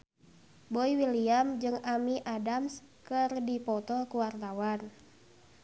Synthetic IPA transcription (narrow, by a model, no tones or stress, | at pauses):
boiwiliamd͡ʒɨŋamiʔadams | kɨrdipɔt̪ɔkuwart̪awan